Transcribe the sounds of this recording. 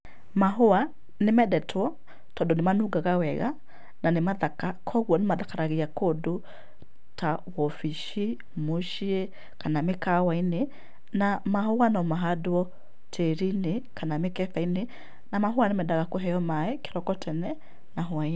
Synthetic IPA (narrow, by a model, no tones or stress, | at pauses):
maɦoa | nemɛdɛtʰwɔ | tɔdɔnemanuɡaɣawɛɣa̰ | nanemaðakakʰɔɣwɔnemaðakaɾaɣeakodo | tawɔfiʃi | moʃie | kanamekawaine | namaɦowanɔmaɦadoɔ | tʰeɾinekanamekɛfaine | namaɦoanemɛdaɣakoɦɛjɔmaɛke̥ɾɔkɔtʰɛnɛ | naɦoai